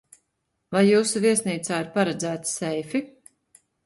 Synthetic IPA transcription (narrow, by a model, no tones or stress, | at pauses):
vajːuːsuviɛsniːt̪saːiɾpaɾɛd̪zæːt̪sɛjfi